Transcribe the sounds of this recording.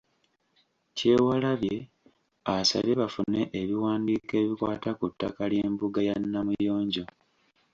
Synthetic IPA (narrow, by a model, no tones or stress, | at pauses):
ce̞ːwalaβje̞ | asa̰βeβafune̞ʔːβiwaːndiːke̞ːβikwa̰ːtakutːakalje̞ːmbuɡajanːamujo̞ːɲɟo̞